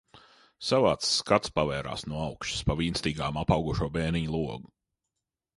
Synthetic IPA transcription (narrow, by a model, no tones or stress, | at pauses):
savaːt̪sːkat̪spavɛːɾa̰ːsnuɔawkʃi̥spaviːnst̪iːɡaːmapɑwɡuʃuɔbɛːniɲlˠuɔɡu